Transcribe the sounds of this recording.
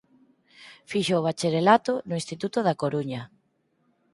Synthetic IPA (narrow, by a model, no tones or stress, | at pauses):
fiʃoːβ̞at͡ʃeɾelat̪ʊnʊĩnst̪it̪ut̪ʊðakoɾuɲɐ